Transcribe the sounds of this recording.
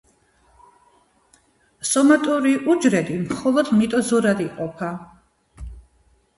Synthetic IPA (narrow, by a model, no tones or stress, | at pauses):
sɔmat̪ʼuɾiʔud͡ʒɾɛd̪imχɔlˠɔd̪mit̪ʼɔzɔɾad̪iqʼɔpʰa